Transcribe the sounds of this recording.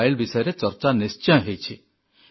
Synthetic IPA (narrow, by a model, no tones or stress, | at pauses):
jlbisɔjɔɾet͡ʃɔɾt͡ʃanist͡ʃɔj̃ɦejt͡ʃʰi